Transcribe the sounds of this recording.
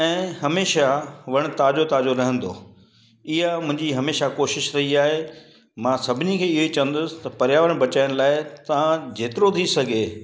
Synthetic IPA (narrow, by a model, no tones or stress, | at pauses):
ɛ̃ːɦɐmeːʃaʋɐɽ̃̆t̪aːd͡ʑot̪aːd͡ʑoɾɐɦə̃nd̪o̰ː | ɪɦamʊ̃ɦɪ̃ɲd͡ʑiɦɐmeːʃakoːʃɪʃɾɐɦiaːɦe | mãːsɐbʱɪnikʰeːɪɦoit͡ɕɐʋə̃nd̪ʊsɪ̥t̪ɐpɐɾjaːʋəɽ̃bɐt͡ɕaːɪɽ̃laːɪt̪ɐãd͡ʑeːt̪ɪɾot̪ʰisɐɡʱeː